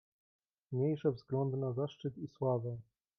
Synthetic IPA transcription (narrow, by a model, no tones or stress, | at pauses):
mɲejʂɛvzɡlɔnd̪ɘnazaʂt͡ʂɘt̪iswavɛ